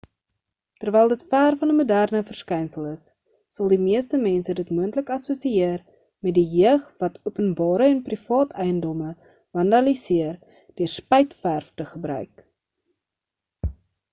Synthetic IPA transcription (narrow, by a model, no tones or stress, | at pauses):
tərvɛjlˠdətfæːrfɐnəmudærnəfərskɛjnsəlˠəsː | ɐlˠdimiəstəmɛnsədətmuəntləkɐsusiiər | mɛt̚diɦiəχvɐtʰuəpənbɑːɾəɛnprifɑːtʰɛjəndɔmə | vɐndɐlisiər | d̥øərspɛjtfærftəχəbrœ̰ɥk